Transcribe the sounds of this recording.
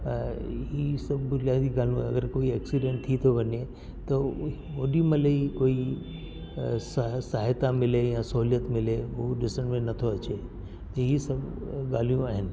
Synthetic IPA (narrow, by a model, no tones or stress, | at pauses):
ɦisɐbʱbʊnijaːd̪iɡaːl̤ũɐ̰ɡəɾkoːiɛːksiɖẽɳʈ̚t̪ʰit̪ʰoʋɐɲe | t̪ɐ | oːɗimɐ̃ləikoːi | sasaːɦɪt̪amɪlejãsɐɦulijət̪mɪleɦoɗɪsəɽ̃mẽnɐt̪ʰoɐt͡ɕe | t̪ɐɦisɐbɡaːl̤ijũaːɦɪnɪ̆